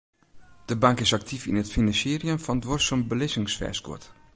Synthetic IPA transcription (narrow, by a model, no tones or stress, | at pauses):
d̥əbɑŋkɪsɑk̚tʰifɪnətfinɑnsiːriəmfɑndʋɔrsəmbəlɪsɪŋsfɛ̰skʊ̰t